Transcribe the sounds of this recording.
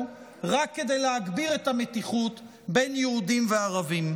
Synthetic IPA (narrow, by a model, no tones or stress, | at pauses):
ʁakːe̞d̪e̞jleaɡbiʁe̞tametiχut̪ | be̞jnjeud̪imveaʁavim